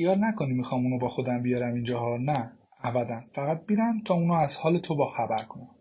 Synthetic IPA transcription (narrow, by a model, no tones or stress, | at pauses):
xijɒːɾnækʰo̞nimixɒːmunɔbɒːxo̞d̪æmbijɒɾæmind͡ʒɒːɦɒnæ | ævæd̪ænfæɣæt̪̚miɾæmt̪ʰɒːuːnɒæz̥hɒːle̞t̪ʰo̞bɒːxæbæɾkʰonæn